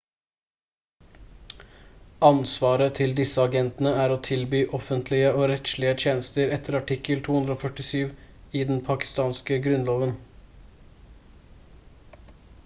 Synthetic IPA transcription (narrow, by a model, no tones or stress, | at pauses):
ɑnsʋɑːɾət̪ʰɪld̪ɪsəɑɡɛnt̪ənəæːɾoːt̪ʰɪlbyːʔɔfənt̪ʰlɪəoːɾɛt̪ʃlɪət̪ʰjeːnəst̪əɾɛt̪ʰəɾɑʈɪkəlt̪ʰuːʉnd̪ɾoːfœʈɪsyːʋɪd̪ɛnpʰɑkɪ̥st̪ɑːnskəɡɾʉnloːʋən